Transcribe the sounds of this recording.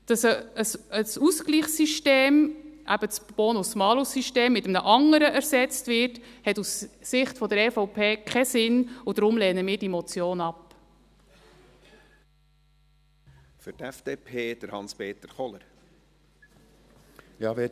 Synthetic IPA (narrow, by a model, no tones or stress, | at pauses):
d̥ɑsəsəsuskliːχsiʃteːmʔæ̰b̥əsb̥ɔnusmɑːlusiʃteːmːɪtəmnəʔɑŋəɾəʔæɾsɛt͡stvɪɾthɛtussɪχtfɔdəɾɛfɔʊpʰeːkʰɛsɪnʊd̥̪ɾʊmlɛːnəmɪːɾd̥imɔt͡sjoːnɑp | fʏtɛfd̥eːpʰeːd̥əɾhɑnspeːt̪əɾχɔləɾ | jɑːʋe